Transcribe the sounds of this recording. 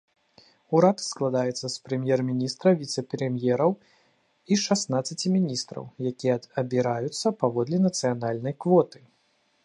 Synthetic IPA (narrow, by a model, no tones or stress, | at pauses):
uɾat̪sklˠad̪ajɛt̪sːɐspɾɨmʲjɛrmʲinʲist̪ɾɐvʲit̪sɛpɾɛmʲjɛɾɐw | iʂasnat̪sːɐt͡sʲimʲinʲist̪ɾɐ̰wjakʲijɛɐbʲiɾajut̪sːɐpavɔd̪lʲinɐt̪sɨjanalʲnɐjkvɔt̪ɨ̥